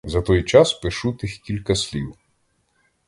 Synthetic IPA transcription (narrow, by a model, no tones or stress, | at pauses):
zɐt̪ɔjt͡ʃɑspɪʃut̪ɪxkʲilʲkɐsʲlʲiw